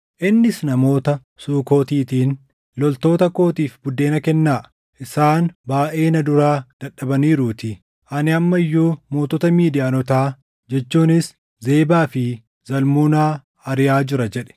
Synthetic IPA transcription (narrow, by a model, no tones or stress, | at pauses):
ʔɪnːɪsnɐmo̞ːt̪ɐ | suːko̞ːt̪iːt̪iːn | lɔlt̪o̞ːt̪ɐko̞ːt̪iːfbʊd̪ːe̞ːnɐkɛnːaː | ʔɪsaːnbaːʔe̞ːnɐd̪ʊɾaːd̪̥ɐᶑɐbɐniːɾuːt̪ɪ | ʔɐnɪɐmːɐɪjːuːmoːt̪oːt̪ɐmiːd̪ɪjaːnɔt̪aː | d͡ʒɛt͡ʃːuːnɪs | ze̞ːbaːfɪ | zɐlmuːnaː | ɐɾɪjaːd͡ʒɪɾɐd͡ʒɛᶑɛ̥